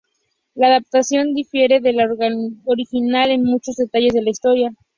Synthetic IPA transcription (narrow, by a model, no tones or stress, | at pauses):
laːðap̚t̪asjo̞nd̪ifje̞ɾe̞ðe̞laoɾixinale̞nmut͡ʃo̞zðe̞t̪aʝe̞zðe̞laist̪oɾja